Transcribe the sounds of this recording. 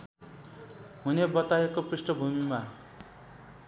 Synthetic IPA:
ɦunebʌt̪aekoprisʈʌbʱumima

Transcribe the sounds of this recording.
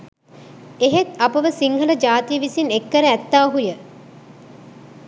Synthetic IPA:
eɦet̪apəʋəsiŋɡʱələd͡ʒaːt̪ijəʋisinekːəɾəæt̪ːaːɦujə

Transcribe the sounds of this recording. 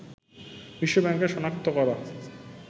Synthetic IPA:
bɾiʃːobɛŋkeʃɔnakt̪okɔɾa

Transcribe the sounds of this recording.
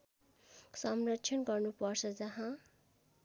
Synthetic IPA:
sʌmrʌtːt͡sʰjʌnɡʌrnupʌrt͡sʰʌd͡zʌɦã

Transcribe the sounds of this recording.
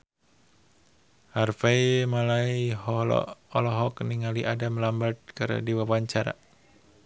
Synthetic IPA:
harfaimalaihɔlɔ̰ɔlɔɦɔkniŋaliʔadamlambat̪̚kɨɾ̰diwawaɲt͡ʃaɾa̰

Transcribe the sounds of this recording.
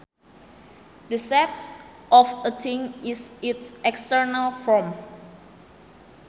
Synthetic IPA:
dəsɛp̚ | ʔɔfdətʰĩŋisitsʔɛkstəɹnalfɔm

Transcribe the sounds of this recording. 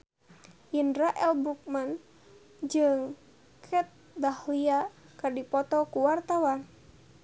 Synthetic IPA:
jindɾaʔɛlbɾuk̚man | d͡ʒɨŋ | kʰɛt̪̚ | d̪ahlia | kardipɔt̪ɔkuwart̪awan

